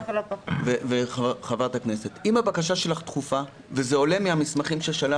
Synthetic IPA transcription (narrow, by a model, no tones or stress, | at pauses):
lveveχavaʁt̪akne̞se̞t̪imhabakaʃaʃe̞laχt̪χufa | vezeo̞le̞miamismaχimʃeʃala